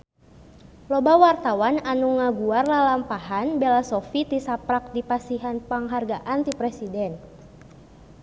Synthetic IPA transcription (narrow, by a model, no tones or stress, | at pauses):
lɔbawart̪awananuŋaɡuarlalampaɦanbɛlasɔfit̪isapɾak̚dipasiɦanpaŋɦarɡaʔant̪ipɾɛsidɛn